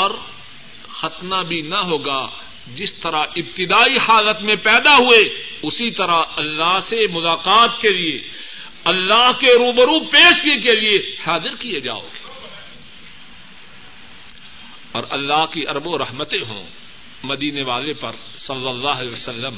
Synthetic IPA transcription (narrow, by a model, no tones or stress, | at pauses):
ɔːɾ | xɐt̪nabʱinɐɦoːɡa | d͡ʒɪst̪ɐɾaɪbt̪ɪd̪aːihaːlət̪mẽpɛːd̪aɦueʊsit̪ɐɾaɦɐlːaɦsemʊlaːqaːt̪kelie | ɐlːaːɦkeɾuːbɐɾupeːʃkik̬eliehaːd̪ɪɾkijed͡ʒa̰ːo̰ːɡe̥ | ɔːɾʔɐlːaːɦkiʔɐɾəboɾɐɦmət̪ẽɦõ̰ | mɐd̪iːneʋaːlepɐɾ | sɐlːəlːaːɦɐlɛːʋɐsɐlːəm